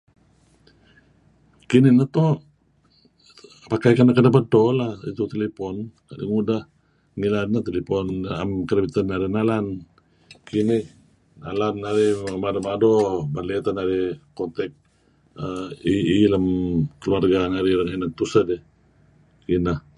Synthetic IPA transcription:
kininat̪o | pakajkanːakədabədolahḭt̪ut̪elɛpɔnka̰dḭŋudah | ŋilannat̪elepɔnamkəɾəbit̪ənːaɾinalan | kini | nalanːaɾimadomadobalɛt̪anaɾikɔnt̪ɛk̚ | iːlamkəluarɡanaɾiɾaŋɦinat̪usədi | inah

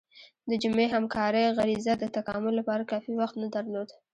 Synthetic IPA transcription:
d̪əd͡ʒʊmeɦamkɑɾəjɣaɾizad̪ət̪akɑmʊlːapɑɾakɑfiwaxt̪nad̪aɾlod̪

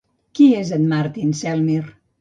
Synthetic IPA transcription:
kiezət̪maɾt̪insɛlˠmir

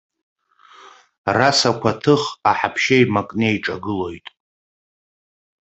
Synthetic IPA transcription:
rasakʷʰatʰɨχaħapʰʃajmakʼnejʈ͡ʂʼaɡɨlo̞jtʼ

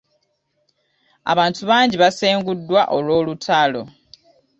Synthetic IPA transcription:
a̰βaːntuβaːɲɟiβaseːŋɡudːwaʔo̞lwo̞ːlutʰalo

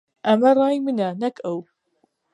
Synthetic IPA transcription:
ʔɐmɐrˤɑːjmɨnɐnɐkʰɐw

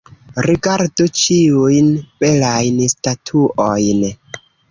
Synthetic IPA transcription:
ɾiɡaɾdut͡ʃiujnb̥elajnstatʰuʔojn

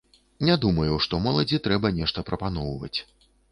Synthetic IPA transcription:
nʲad̪umɐjuʂt̪ɔmɔlˠɐd͡zʲit̪ɾɛbɐnʲɛʂt̪ɐpɾɐpanɔwvɐ̰t͡sʲ

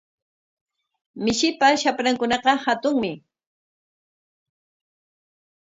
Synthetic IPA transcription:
mɪʃɪpaʃapɾaŋkʊnɑqɑhat̪ʊŋmɪ

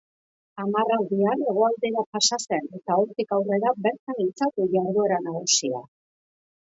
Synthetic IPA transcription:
amarawðiane̞ɣ̞o̞ald̪e̞ɾapasase̞ne̞t̪aoɾt̪ikawre̞ɾabe̞ɾt̪anint͡sat̪uʝaɾðue̞ɾanaɣusia̰

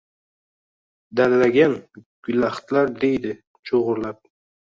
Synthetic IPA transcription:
d̪aɾlaɡʲanɡ̥ʊlaχt̪laɾd̪e̞jd̪ɪ | t͡ʃʰoʁʊɾlap̚

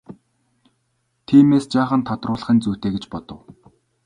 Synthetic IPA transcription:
t̪ʰiːmeːst͡ɕaːχə̆nt̪ʰɔt̪rʊːɮə̆χə̆nt͡suːt̪eːɡet͡ɕpɔt̪ɞ̆w

